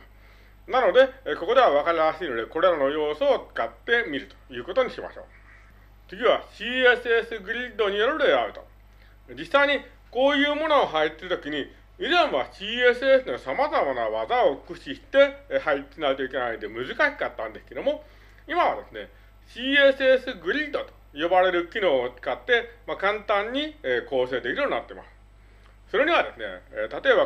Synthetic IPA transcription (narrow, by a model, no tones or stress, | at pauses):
nano̞d̪e̞ko̞ko̞d̪e̞β̞aβakaɾʲiɾaɕiːno̞d̪e̞ko̞ɾe̞ɾano̞jo̞ːsoo̥kat̪ːe̞mʲiɾɯ̟t̪o̥jɯ̟ːko̞t̪o̞ɲ̟iɕima̰ɕo̞̰ː | t͡sɨɡʲiβaɕiːesɨesɨɡɯ̟ɾʲid̪o̞ɲ̟ijoɾoɾoeaɯ̟t̪o̞ | d͡ʑisːaiɲ̟i | ko̞ːjɯ̟ːmo̞no̞ːɦait̪ːeɾɯ̟t̪o̞kʲiɲ̟i | izẽɰ̃βaɕiːe̞sɨesɨnosamazamanaβazao̞̥kɯ̟ɕiɕi̥t̪e̞haiinaɯ̟t̪oike̞naind̪e̞mɯ̟zɨkaɕi̥kat̪ːãnd̪esɨ̥ke̞d̪omo̞ | imaβ̞a̰d̪e̞sɨne̞ | ɕiːesɨesɨɡɯ̟ɾʲid̪o̞t̪o̥ | jo̞baɾe̞ɾɯ̟kʲino̞ːt͡sɨ̥kat̪ːe̞makãnt̪ãɲ̟ːiko̞ːse̞ːd̪e̞kʲiɾɯt̪ona̰t̪ːe̞ma̰sɨ̥ | so̞ɾe̞ɲ̟iβ̞ad̪e̞sɨne̞̰t̪at̪o̞e̞ba